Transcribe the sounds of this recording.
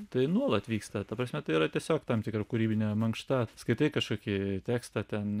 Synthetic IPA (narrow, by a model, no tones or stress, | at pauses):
t̪ɐɪnuɔlˠɐt̪ʋʲiːkst̪ɐt̪ɐpɾɐsʲmʲɛt̪ɐɪiɾɐt̪ʲiɛsʲoːkt̪ɐmt̪ʲɪkɾɐkʊɾʲiːbʲɪnʲɛmɐŋkʃt̪ɐskɐɪt̪ɐɪkɐʃkoːkʲɪt̪ʲæːkst̪ɐt̪ʲɛn